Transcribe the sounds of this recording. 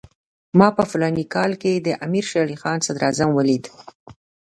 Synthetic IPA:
mɑpəfʊlɑnikɑlked̪əʔamiɾʃalixɑnsad̪ɾɑzamwəlid̪

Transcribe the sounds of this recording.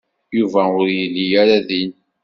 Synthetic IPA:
juvæʊɾjəlːijaɾaðin

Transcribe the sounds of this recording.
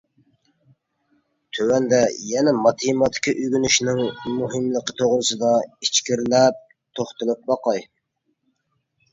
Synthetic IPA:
t̪ʰøwɛnd̪ɛjɛnɛmɑt̪ʰɨmɑt̪ʰɪ̥kʲiʔyɡʲynyʃnɪŋmuɦɨmlˠəqə̥t̪ʰoʁlɨsɨd̪ɑit͡ʃkʲiɾlɛp̚ | t̪ʰoχt̪ɨlˠɨp̚bɑqɑj

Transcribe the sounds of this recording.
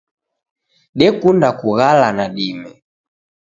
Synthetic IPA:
ɗɛkundakuɣalanaɗimɛ

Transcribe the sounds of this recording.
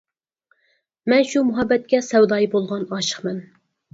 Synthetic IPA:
mɛnʃumʊɦɑbːɛt̪̚kʲɛsɛwd̪ɑːjibolˠʁɑnɑːʃə̥χmɛn

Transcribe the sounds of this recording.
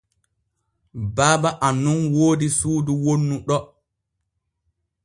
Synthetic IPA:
baːbaʔanːunwoːdisuːduwonːuɗɔ

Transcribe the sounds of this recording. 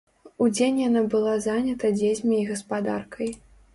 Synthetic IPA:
ud͡zʲenʲjanabɨlˠazanʲɐt̪ɐd͡zʲezʲmʲiːɣɐspad̪arkʰɐj

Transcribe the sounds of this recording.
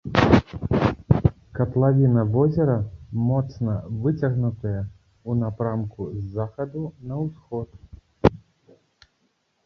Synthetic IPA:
kɐt̪lˠavʲinɐvɔzʲɛɾɐmɔt̪snɐvɨt͡sʲɐɣnut̪ɐjɐ | unapɾamkuzːaxɐd̪unɐwsxɔt̪̚

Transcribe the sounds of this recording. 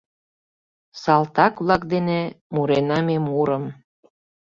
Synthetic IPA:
sɑlt̪ɑkβlɑkd̪ene | muɾenɑmemuɾəm

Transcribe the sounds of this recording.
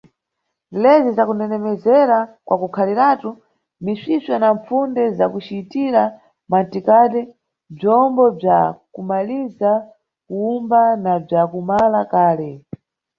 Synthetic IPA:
lɛzizakunɛnɛmɛzɛɾakwʔakukʰaliɾaːtu | misiswanaɱp͡fundɛzakut͡ʃitiɾa | mantikatɛ | b͡ʐɔmbɔb͡ʐakumaliza | kuumbanab͡ʐakumalakaːlɛ

